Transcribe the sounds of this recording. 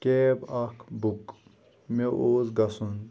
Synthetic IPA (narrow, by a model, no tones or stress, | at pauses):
kebakʰbuk | meʔoːzɡɐsun